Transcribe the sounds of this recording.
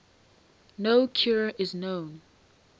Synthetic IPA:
noʊkʰjɔɹəʔɪznõʊ̃n

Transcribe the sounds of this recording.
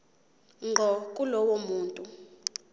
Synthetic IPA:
ŋ͡ǃʱɔkʼulɔwomuːntʼu

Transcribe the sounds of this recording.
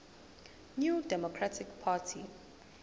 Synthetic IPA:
njudɛmɔkʰɹatʰikpʰatʰḭ

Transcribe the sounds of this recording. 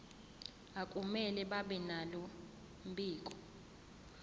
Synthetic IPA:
akʼumɛlɛɓaɓɛnalɔ | m̩bʱiːkʼɔ

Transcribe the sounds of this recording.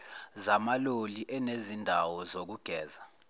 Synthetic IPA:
zamaloliʔɛnezindʱawɔzok̬uɡ̥ʱɛːza

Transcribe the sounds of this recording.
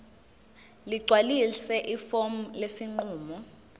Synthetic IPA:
liɡ͡ǀʱwalisɛʔifom̩lesiŋ͡ǃuːmɔ

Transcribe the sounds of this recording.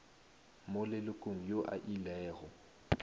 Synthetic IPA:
molɪlʊkʼoŋ̩joʔa̰ʔilɛːɣɔ

